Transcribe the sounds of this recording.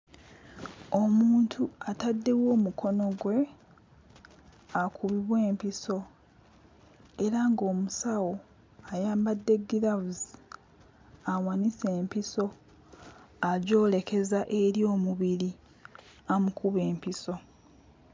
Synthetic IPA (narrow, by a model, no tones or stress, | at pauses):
o̞muːntʰuatadːe̞wo̞ːmuko̞no̞ɡwe̞ | akʰuβiβwe̞ːmpiso̞ | e̞ɾaŋɡo̞ːmusawo̞ | ajaːmbadːe̞ɡiɾavuz | awanise̞ːmpiso̞ | aɟo̞ːle̞ke̞zaʔe̞ɾjo̞ːmuβiɾi | amukuβe̞ːmpiso̞